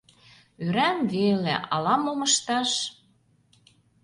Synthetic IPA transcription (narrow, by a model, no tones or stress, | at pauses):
øɾæmvelḛʔɑlɑmomə̆ʃt̪ɑʃ